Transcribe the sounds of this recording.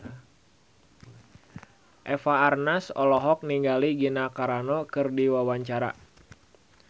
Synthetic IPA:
ʔɛfaːrnasɔlɔɦɔk̚niŋɡaliɡinakaɾanɔkɨrdiwawaɲt͡ʃaɾa̰

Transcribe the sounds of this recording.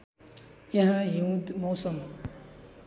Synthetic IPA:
jãɦãjĩũmõsɔ̃m

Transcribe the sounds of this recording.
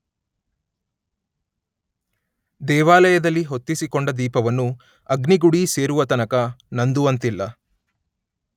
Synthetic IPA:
d̪ɛːʋaːlɐjɐd̪ɐlːiɦo̞t̪ːisikoɳɖɐd̪iːpɐʋɐnːu | ɐɡniɡuɽise̞ːɾuʋɐt̪ɐnɐkɐnɐnd̪uʋɐnt̪ilːɐ

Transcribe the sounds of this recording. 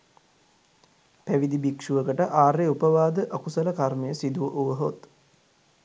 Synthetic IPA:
pæʋid̪ibikʂuʋəkəʈəʔaːɾeupəʋaːd̪əʔəkusələkarməjəsid̪uʋəʔuʋəɦot̪

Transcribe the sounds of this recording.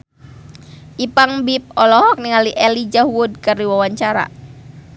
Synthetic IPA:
ʔipaŋbip̚ɔlɔɦɔk̚niŋaliʔɛlid͡ʒahwud̚kəriwawaɲt͡ʃaɾa̰

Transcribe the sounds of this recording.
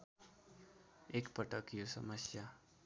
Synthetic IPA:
ekpʌʈʌkjosʌmʌsja

